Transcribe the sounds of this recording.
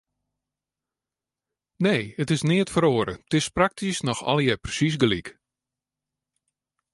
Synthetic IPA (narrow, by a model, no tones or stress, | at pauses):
neːətɪsnɪətfəɾoːəɾətɪsprak̚tʰisnɔxɔ̰ljɛprəsis̬ɡlik